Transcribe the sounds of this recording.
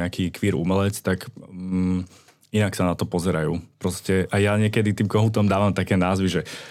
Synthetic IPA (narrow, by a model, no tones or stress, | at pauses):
ɛakiːkʋiːɾṵmɛlɛt͡st̪ak | inaksanat̪ɔpɔzɛɾajṵːpɾɔscɛʔajaɲɪɛkɛd̪it̪iːmkɔɦuːt̪ɔmd̪aːʋamt̪akɛːnaːzʋiʒɛ